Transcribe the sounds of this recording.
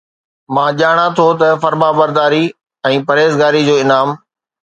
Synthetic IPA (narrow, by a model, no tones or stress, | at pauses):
mãːʄaːɽ̃ãt̪ʰot̪ɐfɐɾmaːbɐɾd̪aːɾi | ɛ̃ːpɐɾeːzɡaːɾid͡ʑoːɪnaːm